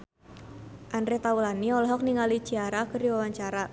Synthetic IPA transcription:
ʔandɾet̪aulaniɔlɔɦɔk̚niŋali̥d͡ʒ̥iaɾahkərdiwawaɲt͡ʃaɾa

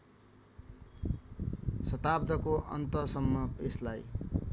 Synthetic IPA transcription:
sʌt̪ab̚d̪ʱʌkoʔʌ̰nt̪ʌsʌmːʌeslaj

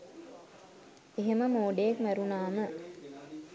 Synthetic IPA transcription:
eɦeməmoːɖejekmæɾunaːmə

